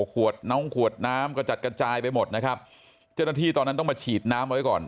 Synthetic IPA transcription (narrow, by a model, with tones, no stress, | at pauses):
kʰu˨˩ət̪̚nɔ˦˥˩ŋkʰu˨˩ət̪̚naː˦˥mkɔː˥˩t͡ɕa˨˩t̪̚kɾa˧t͡ɕaː˧jpa˧jmo˨˩t̪̚na˦˥kʰa˦˥p̚ | t͡ɕa˥˩wna˥t̪ʰiː˥˩t̪ɔː˧nːa˦˥nt̪ɔ˥˩ŋmaː˧t͡ɕʰiː˨˩t̪̚naː˦˥mʔa˧wa˦jkɔ̰ː˨˩n